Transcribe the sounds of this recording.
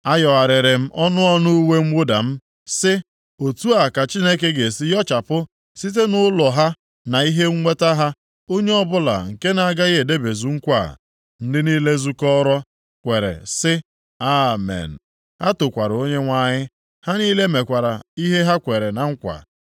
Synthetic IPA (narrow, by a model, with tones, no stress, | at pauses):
a˦jɔ˨a˨ɾɪ˨ɾɪ˨m̩˦ʔɔ˦nʊ˦ɔ˦nu˦we˦ŋ͡m̩˦wʊ˦da̰˨m̩˦ | sɪ˦ | o˨tu˦a˨ka˨t͡ʃi˦ne˦ke˦ɡe˨si˦jɔ˦t͡ʃa˨pʊ˦ | si˦t̬e˦nʊ˦lɔ˨ɦa˦ | na˨i˦ɦe˦ŋ̩˦ŋe˦ta˦ɦa˦ | o˦ɲe˦ɔ˦bʊ˦la̰˨ŋ̩˨ke˦na˨a˦ɡa˦ɣe˦e˨de˦be˨zu˨ŋ̩˦kʷa̰˦˨ | n̩˦dɪ˦niː˦le˦zu˦kɔ˦ɾɔ˦ | kʷe˨ɾḛ˨sɪ˦ | a˦mḛ˨n̩˨ | ha˦tʊ˨kʷa˨ɾo˦ɲe˦ŋʷa˦ɲɪ˦ | ha˦ni˦le˦me˨kʷa˨ɾa̰˨i˦ɦe˦ɦa˦kʷe˨ɾe˨na˨ŋ̩˦kʷa̰˨